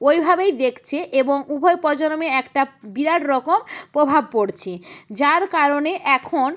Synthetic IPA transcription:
ojbʱabejd̪ekʰt͡ɕʰeʔeboŋubʱɔepɔd͡ʑoɾomeɛkʈabiɾaʈɾɔkompɾobʱab̚koɾt͡ɕʰed͡ʑaɾkaɾoneʔɛkʰon

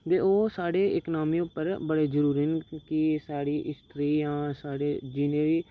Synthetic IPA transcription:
beoːsaːɽeːɪknaːmijõpəɾbəɽeːd͡ʒəɾuːɾinkisaːɽiːʔɪst̪ʰɾiːjãːsaːɽeːd͡ʒineːɾiː

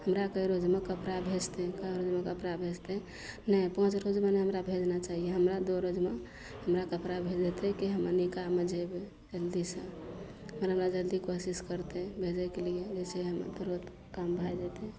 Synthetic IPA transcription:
həmɾakəjɾod͡ʒmekəpɾabʱed͡ʒt̪ekəjɾod͡ʒmekəpɾabʱed͡ʒt̪e | nəipə̃t͡ʃɾod͡ʒmeneɦəmɾabʱed͡ʒnat͡ʃaɦijeɦəmɾad̪oɾod͡ʒme | ɦəmɾakəpɾabʱed͡ʒd̪et̪ekiɦəmənikamːed͡ʒebe | d͡ʒəld̪isə̃ | ɦəmɾanad͡ʒəld̪ikosiskəɾt̪ebʱed͡ʒɛkelied͡ʒet͡ʃʰeɦəmə̰ɾd̪əɾot̪ | kambʱajd͡ʒet̪e

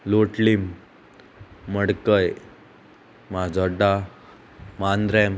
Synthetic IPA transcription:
loʈlim | əɽkəj | mad͡zʱɔɖa | mand̪ɾɛm

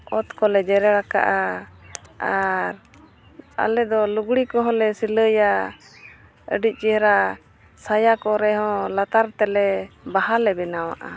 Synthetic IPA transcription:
ɔt̪kɔlɛd͡ʒɛɾɛɾaka̰ʔa | aɾ | a̰lɛd̪ɔluɡɽikɔɦɔ̃lɛsiləja | ə̰ɖic̚ˀt͡ʃihɾa | sajakɔɾɛɦɔ̃lat̪aɾt̪ɛlɛbaɦalɛbɛnawa̰ʔa̰

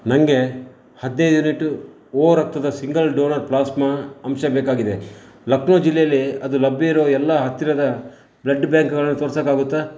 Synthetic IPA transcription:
nɐŋɡe̞ | hɐd̪nejd̪uniʈːu | oːɾɐk̚t̪ɐd̪ɐsiŋɡɐlɖoːnɐɾplaːsmɐɐmʃɐbeːkaːɡid̪e̞ | lɐknoːd͡ʒilːɛjɐlːiɐd̪ulɐbːjeiɾoːɛlːaɦɐt̪ːiɾɐd̪ɐ | blɐɖbjaːŋkɡɐɭɐnːut̪oːɾsɐkaːɡut̪ːa

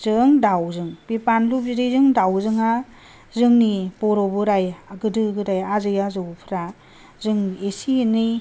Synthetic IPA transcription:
zɯŋdawzɯŋbipanlup̚ziɾɯjzɯŋdawzɯŋa | zɯŋnibɔɾɔbɯɾajaɡɯdɯɡɯɾajazɯjazɯwpʰɾa | zɯŋesinɯj

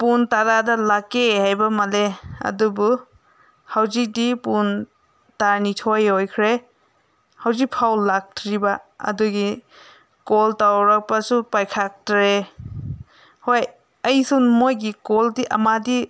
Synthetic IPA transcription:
puntaɾadɐlakːehajbɐmɐleɐ̰dubu | hɐwzik̚dipun | taɾnitʰojhojkʰɾe | hawzik̚pʰawlak̚tʰɾibaɐ̰duɡi | koltawɾak̚pɐsupajkʰak̚tɾe | hoj | ɐjsunmojɡikoldiʔɐ̰madi

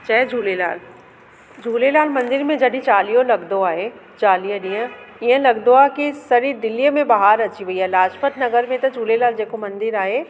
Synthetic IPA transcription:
t͡ʃɐːɛd͡ʒʱuːlelaːl | d͡ʒʱuːlelaːlmɐ̃nd̪ɪɾmẽd͡ʒɐɽit͡ʃaːlijõlɐɡd̪oaːɦe | t͡ʃaːlijə̃ɗiə̃ɪɦə̃lɐɡd̪oakisɐɾiːɾd̪ɪlːijəmẽbɐɦaːɾɐt͡ʃiʋɐiɦɛːlaːʃpət̪nɐɡəɾmẽt̪ɐd͡ʒʱuːlelaːld͡ʒeːkomɐ̃nd̪ɪɾaːɦeː

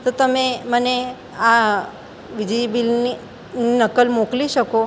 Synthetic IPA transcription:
t̪ot̪əmẽməne | a | ʋid͡ʒibilni | ninəkəlmokliʃəko

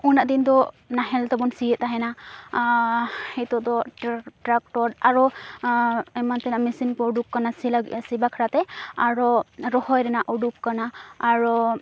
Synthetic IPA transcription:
unaʔd̪ind̪ɔ | naɦɛlt̪ɛbɔnsijɛt̪̚aɦɛna | hɛt̪ɔʔd̪ɔʈɾak̚ʈɔɾaɹɔ | ɛmant̪ɛnamisinpɔɔɖup̚kanasilsibakʰaɾat̪ɛaɹɔɾɔhɔjɾɛnaʔɔɖup̚kanaːɹɔ

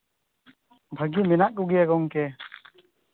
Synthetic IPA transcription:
bʱəɡimɛnaʔkuɡijaɡɔŋkɛ

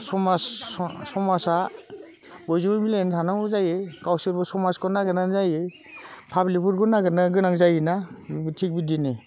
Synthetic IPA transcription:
sɔmassɔmasa | bɔjzubɔmilentʰanaŋbɔzajekawsiɾbɔsɔmaskɔnaɡɯnanzaje | pʰablipʰuɾkɔnaɡɯnaɡɯnaŋzajinatʰik̚bidine

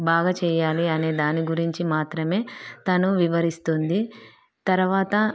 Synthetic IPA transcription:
bʱaːɡɐt͡ʃɛːjaːliɐne̞ːd̪aːniɡuɾiɲt͡ʃimaːt̪ɾɐme̞ːt̪ɐnuʋiʋɐɾist̪und̪i | t̪ɐɾuʋaːt̪ɐ

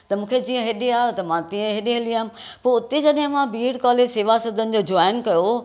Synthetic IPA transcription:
t̪ɐmũːkʰed͡ʑiːə̃ɦeɗeaːɦt̪ɐmãt̪ĩːə̃ɦeɗeɦɐliãː | poːʊt̪ed͡ʑɐɗɦɪ̃mãbiːɽkɔːleːseːʋasɐd̪ʱənɪ̆d͡ʑoːd͡ʑaːɪnkɐjo

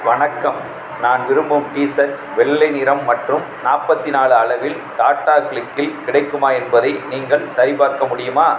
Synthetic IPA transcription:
ʋɐɳɐkːɐm | naːnʋɪɾɯmbɯmʈiːsɐt | ʋɛɭːɐɪnɪɾɐmːɐʈrɯm | naːpɐt̪ːɪnaːɭɯɐlɐʋɪl | t̪aːʈːaːkɭɪkːɪlkɪɽɐɪkːɯmaːɛnbɐðɐɪniːŋɡɐɭsɐjbaːɾkɐmʊɽɪjɯmaː

